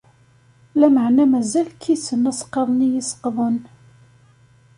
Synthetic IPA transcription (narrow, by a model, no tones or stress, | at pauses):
læməʕnæmæzælkisənːæsqːeðˤnijisə̥qðˤən